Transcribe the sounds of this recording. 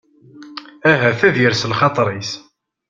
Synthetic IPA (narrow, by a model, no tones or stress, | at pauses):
æɦæθæðjəɾsəlχɑt̪ˤɾˤis